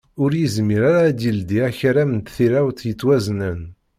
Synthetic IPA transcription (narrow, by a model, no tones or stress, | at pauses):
ʊɾjizmiɾaɾaːd̪jild̪iæçɾæmənt̪θiɾæwt̪jət͡sːwæznən